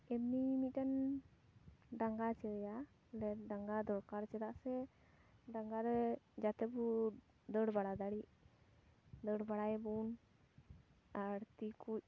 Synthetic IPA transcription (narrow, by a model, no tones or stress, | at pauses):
ɛmnimit̪̚ˀdan | ɖaŋɡat͡ʃɛja | lɛɖaŋɡad̪ɔɾkaɾt͡ʃɛd̪aʔsɛ | ɖaŋɡaɾɛd͡ʒat̪ɛbu | d̪əɽbaɽad̪aɽiʔ | d̪əɽbaɽajbun | aɾt̪ikuc̚